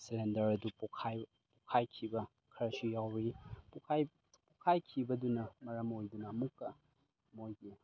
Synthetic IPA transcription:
selendɐɾɐdupɔkʰaj | pɔkʰajkʰibɐ | kʰɐɾɐsujawɾipukʰaj | pɔkʰajkʰibɐdunɐmɐɾɐmojdunɐːmukːɐ | mojɡi

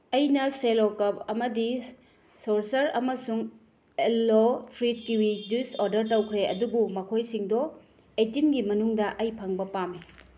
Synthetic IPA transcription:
ɐjnɐselokɐpɐmɐdi | soɾsɐɾɐ̰mɐsuŋ | elːotʰɾit̚kiwid͡ʒusoɾdɐɾtɐwkʰɾeɐ̰dubumɐkʰojsiŋdɔ | etinɡimɐnuŋdɐʔɐjpʰaŋbɐpami

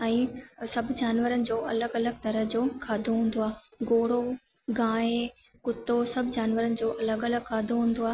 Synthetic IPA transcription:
ɛ̃ːsɐbʱd͡ʑaːnʋəɾənɪ̆d͡ʑoːʔɐləɡɐləɡ̚t̪ɐɾəɦd͡ʑoːkʰaːd̪ʱoɦũːn̆d̪oaːɡoːɽo | ɡãːe | kʊt̪ːosɐbʱɪd͡ʑaːnʋəɾənɪ̆d͡ʑoːʔɐləɡɐləɡ̚kʰaːd̪ʱoɦũːn̆d̪oaː

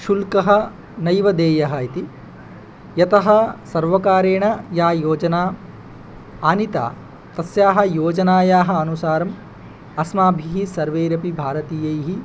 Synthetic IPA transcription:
ʃulkɐɦɐ̆ | nɐjʋɐd̪eːjɐɦɐit̪i | jɐt̪ɐɦɐsɐɾʋɐkaːɾeːɳɐjaːjoːd͡ʒɐnaː | aːnit̪a̰ː | t̪ɐsjaːɦɐ̆joːd͡ʒɐnaːjaːɦɐ̆ɐnusaːɾɐm | ɐsmaːbʱiɦisɐɾʋeːɾɐpibʱaːɾɐt̪iːjɐjɦi

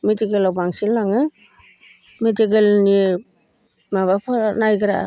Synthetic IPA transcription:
mediɡelawbaŋsilːaŋɯ | mediɡelni | maβapʰanajɡɯɾa̰

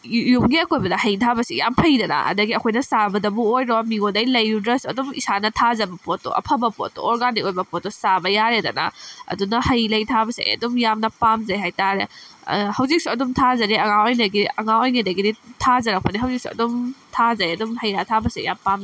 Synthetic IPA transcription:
jumɡiɐkojbɐdɐhɐjtʰabɐsija̰mpʰɐjdɐna̰ɐ̰dɐɡiɐkʰojnɐsabɐdɐbuojɾomiodɐjlɐjːudɾɐsɐdumḭsanɐtʰazɐbɐpotːo̰ʔɐ̰pʰɐbɐpo̰to̰ɔɾɡanikojbɐpotːɔsabɐjaɾedɐna̰ɐ̰dunɐhɐjlɐjtʰabɐsḛjɐ̰dumjamnɐpamzajɦajtaɾehɐwzik̚suɐdumtʰazɐɾiɐŋaojnɐɡiɐŋaojnɐdɐɡiditʰazɐɾak̚pɐniɦɐwziksuɐ̰dumtʰazajɐdumhɐjɾatʰabɐsija̰mpam

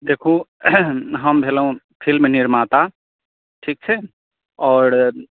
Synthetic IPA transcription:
d̪eːkʰo | ɦəmbʱeːləɦũ | pʰilmenɪɾmat̪a | ʈʰiːk̚t͡ʃʰɛ | ɔːɾ

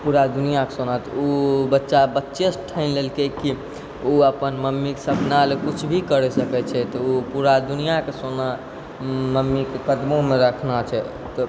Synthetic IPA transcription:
puɾad̪unijakesonat̪obətːʃabətːʃesʈʰaɪnlelkɛki | oəpənməmːikesəbnalekut͡ʃʰbʱikəɾɛsəkɛt͡ʃʰɛt̪ɔopuɾad̪unijakesona | məmːikekəd̪momeɾəkʰnat͡ʃʰɛ | t̪ɔ

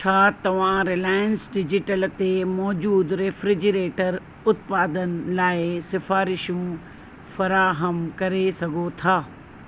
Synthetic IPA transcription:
t͡ɕʰaːt̪ɐʋ̤ãɾɪlaːjənsɖɪd͡ʑɪʈəlt̪emɔːd͡ʑuːd̪ɾeːfɾɪd͡ʑəɾeːʈəɾ | ʊt̪paːd̪ənɪlaːɪsɪfaːɾɪʃũ | fɐɾaːɦəmkɐɾesɐɡʱot̪ʰaː

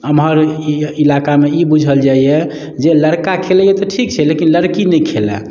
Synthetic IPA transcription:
əmɦəɾiilakameibud͡ʒʱəld͡ʒaie | d͡ʒeləɾkakʰelɛjet̪ɔʈʰik̚t͡ʃʰɛlekinləɾkinɛjkʰelɛ̰

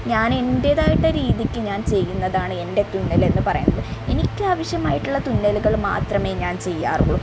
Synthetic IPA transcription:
ɲaːne̞ndeːðaːjiʈːɐɾiːðikʲːɨɲaːnt͡ɕe̞jːunːɐðaːɳɨe̞nde̞t̪unːɐle̞nːɨpɐrɐjunːɐðɨe̞nikʲːɨaːʋɐɕjɐmaːjiʈːuɭːɐt̪unːɐluɣɐɭma̰ːt̪rɐme̞ːɲaːnt͡ɕe̞jːa̰ːruoɭu

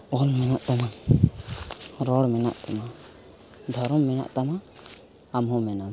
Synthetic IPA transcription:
ɔlmɛnaʔt̪ama | ɾɔɽmɛna̰ʔt̪ama | d̪ʱɔɾɔmːɛna̰ʔt̪ama | amɦɔmɛnam

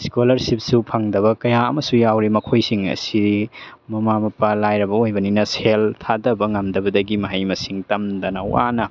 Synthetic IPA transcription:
skolɐɾsip̚supʰaŋdɐβɐkɐjaɐmɐsujawɾimɐkʰojsiŋɐ̰siɾimɐmamɐpalajɾɐbɐojbɐninɐseltʰadɐbɐŋɐmdɐbɐdɐɡimɐɦɐjmɐsiŋtɐmdɐnɐw̰a̰nɐ

